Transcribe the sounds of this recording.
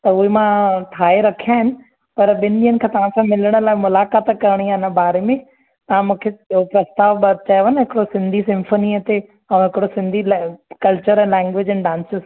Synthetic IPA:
t̪ɐʊɦemãʈʰaːeɾɐkʰijaːɦɪnɪ̆ | pɐɾɓɪnɪɓĩːənɪ̆kʰãːt̪ɐʋ̤ãsãmɪləɽ̃ə̆laːɪmʊlaːkaːt̪kɐɾəɽ̃iaːɦɪnə̆baːɾemẽ | t̪ɐʋ̤ãmũːkʰeopɾɐst̪aːʋbɐd̪̚t͡ɕaːjənəɦɪkɪɽosɪ̃nd̪ʱisɪ̃mfoːniət̪e | ɛ̃ɦɪkɪɽosɪ̃nd̪ʱilkɐlt͡ɕəɾɛ̃ːlɛ̃ːŋɡʋeːd͡ʑɛ̃nɖãːnsɪz

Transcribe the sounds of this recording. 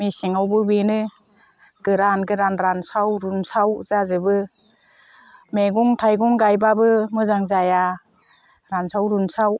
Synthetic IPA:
misiŋawbɯbinɯ | ɡ̥ɯɾanɡɯɾanɾansawɾunsawzazɯbɯ | meɡuŋtʰajɡuŋɡajbabɯmɯzaŋzaja | ɾansawɾunsaw

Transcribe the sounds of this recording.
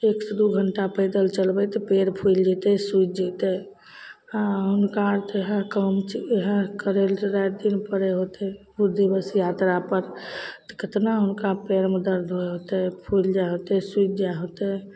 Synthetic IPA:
eksəd̪uɡʱəɳʈapəɪd̪əlt͡ʃəlbɛt̪ɔpeɾpʰuld͡ʒit̪ɛsut͡ʃd͡ʒit̪ɛ | ãɦʊnkaɾt̪ɦə̃kəmt͡ʃeɦə̃kəɾelɾatd̪inpəɾɛɦot̪ɛbud̪ʱːibəsjat̪ɾapəɾt̪ɔ̥ket̪naɦʊnkapeɾmd̪əɾd̪ʱoeɦot̪ɛpʰuld͡ʒaɦot̪ɛsut͡ʃd͡ʒaɦot̪ɛ

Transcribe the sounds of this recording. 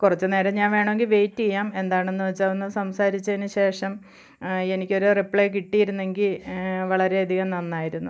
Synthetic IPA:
kurɐt͡ɕːɨne̞ːɾɐɲaːnʋe̞ːɳɐʋe̞ŋɡilʋe̞jtːiejaːme̞nd̪aːɳenːuʋɐt͡ɕːaːonːɨsɐmsaːɾit͡ɕːɐðinːɨɕe̞ːʂɐm | e̞nikʲːo̞ɾurepːɭejk̬iʈːijiɾunːe̞ŋɡilʋɐɭɐɾe̞ɐd̪ʱiɣɐmnɐnːaːjiɾunːu

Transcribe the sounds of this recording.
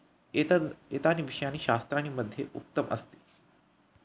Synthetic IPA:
et̪aniːʋiʂəjañiːɕast̪ɾañiːməd̪ʱjeʔuk̚t̪əmʔəst̪e̥ː

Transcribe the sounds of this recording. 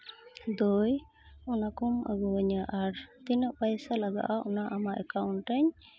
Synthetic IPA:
d̪ɔj | ɔnakɔmə̰ɡɔɲaʔaɾt̪inəʔpajsalaɡa̰ʔaʔɔnaʔamaʔɛkawɳʈəɲ

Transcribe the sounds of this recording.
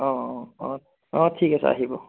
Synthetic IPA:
ɔ̃ | ɔ̃tʰikasʌ̰a̰ɦibo

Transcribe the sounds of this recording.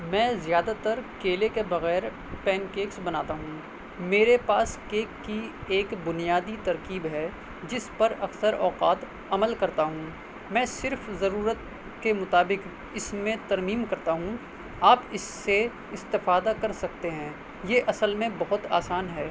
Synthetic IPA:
mɛ̃ːzjaːd̪at̪ɐɾkeːlekebɐɣɛːɾ | pɛːnkeːksbɐnaːt̪aɦũː | meːɾepaːskeːkːieːkbʊnijaːd̪it̪ɐɾkiːbɦɛː | d͡ʒɪspɐɾɐksəɾɔːqaːt̪ | ɐməlkɐɾt̪aɦũː | mɛ̃ːsɪɾfzɐɾuːɾət̪̚ | kemʊt̪aːbɪk | ɪsmẽt̪ɐɾmiːmkɐɾt̪aɦũ | aːpɪsːe | ɪst̪ɪfaːd̪akɐɾsɐk̚t̪eɦɛ̃ː | jeʔɐsəlmẽbɐɦʊt̪a̰ːsaːnɦɛː

